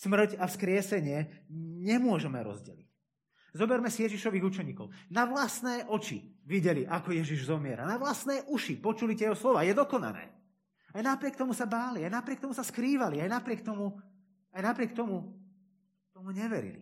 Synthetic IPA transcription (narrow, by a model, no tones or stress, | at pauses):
smr̩cafskɾɪɛsɛɲɪɛɲɛmʊɔʒɛmɛɾɔ̰zɟɛ̰lic | zɔbɛɾmɛsijɛʒiʃɔʋiːɣut͡ʃɛɲiːkɔʊnaʋlasnɛːʔɔt͡ʃḭʋiɟɛliʔakɔjɛʒiʒzɔmɪɛɾa̰naʋlasnɛːʔuʃipɔt͡ʃulit̪ɛɦɔslɔʋaːjɛd̪ɔkɔna̰nɛ̰ː | ajnapɾɪɛk̚t̪ɔmusabaːliajnapɾɪɛk̚t̪ɔmusaskɾiːʋaliajnapɾɪɛk̚t̪ɔmu | ajnapɾɪɛk̚t̪ɔmu | t̪ɔmuɲɛʋɛɾḭlḭ